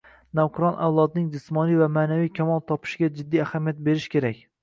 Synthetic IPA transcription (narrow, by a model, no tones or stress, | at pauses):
nawqʰʊɾɒnʔa̰wlˠɒd̪nɪŋd͡ʒɪsmɒnijvamaːnavijkʲʰamɒlˠt̪ʰɒpʰɪ̥ʃɪɡʲad͡ʒɪd̪ːijahamijat̪̚be̞ɾɪʃkʲe̞ɾakʲ